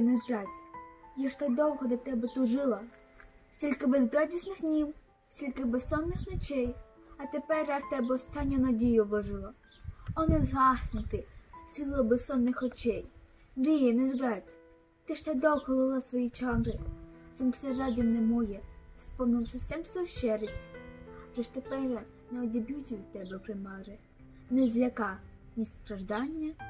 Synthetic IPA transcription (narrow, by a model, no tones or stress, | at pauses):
nɛzɡɾatʲjaʃt̪ɛd̪ɔwɦɔd̪ʲɐt̪ɛbɛt̪ʊʒɪlˠɐ | sʲtʲilʲkɪbezɡɾadʲisnɪxdnʲiw | sʲtʲilʲkɪbesɔnːɪxnɔt͡ʃɛj | ɐt̪epɛɾat̪ɛbɛɔst̪ɑnʲːʊnɐdʲijʊʋɔʒɪlˠɐ | ɔnɛzɦɑsʲnɪt̪ɪsʲilˠɔbessɔnːɪxɔt͡ʃɛj | ɾɪjɛnɛzbɾɑtʲ | t̪ɪʃt̪ɛd̪ɔkɔlˠɪlˠɐsʋɔjit͡ʃɑmɾɪsɔnfsɛʒɑd̪ʲɪnnɛmɔjɛspɔwnɪlˠsɛsʲɛnst̪ɔʃt͡ʃɛɾɪtʲʒɛʃt̪epɛɾ | nɛɔdʲebʲjutʲiʋʲid̪̚t̪ːɛbɛpɾɪmɑɾɪ | nɛzʲlʲɐkɑnʲissp̪ɾɐʒd̪ɑnʲːɐ